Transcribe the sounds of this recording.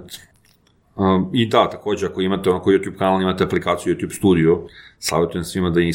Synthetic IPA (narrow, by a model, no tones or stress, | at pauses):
t̪ | əid̪at̪ako̞ːd͡ʑeako̞imat̪eonakojuːt̪juːb̚kanalimat̪eaplikaːt̪sijujuːt̪ʲjuːbst̪uːd̪iusa̰ʋe̞t̪ujemsʋimad̪ani